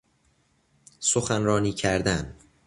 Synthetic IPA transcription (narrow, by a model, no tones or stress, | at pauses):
soxænɾɒːniːcʰæɾd̪æn